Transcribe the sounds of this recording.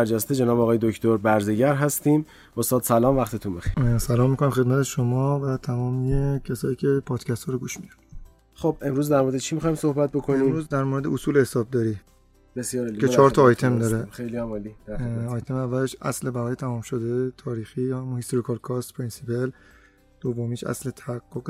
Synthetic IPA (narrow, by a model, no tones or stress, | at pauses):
æɾd͡ʒæst̪ed͡ʒenɒːbɒːɣɒːjed̪okt̪ʰoɾbæɾzeɟæɾɦæst̪iːm | ʔost̪ɒːd̪sælɒːmvæxt̪et̪ʰunbexe̥sælɒːmːiko̞næmxemæt̪ʰe̞ʃomɒːvæt̪ʰæmɒːmiecʰesɒːjiːcʰe̞pʰɒːd̪̥cʰæst̪ʰɒːɾoɡuːʃmid̪æ̥n | xob̚e̞mɾuːzd̪æɾmoɾed̪et͡ʃʰimixɒːjmsohbæt̪̚bokʰoniːmɾuzd̪æɾmoɾed̪eosuːlehesɒːb̚d̪ɒːɾi | besjɾcʰet͡ʃʰɒːɾt̪ʰɒːjt̪ʰe̞md̪ɒɾeejlimliɒːjt̪ʰemævːæleʃʔæ̰slebæɣɒːjet̪ʰæmɒːmʃod̪et̪ʰɒːɾiːxiːjhæmunhist̪oɾikʰɒɾkʰɒːst̪pʰɾinsipel | d̪̥ovːomiːʃʔæ̰slet̪ʰæhæɡːoɡ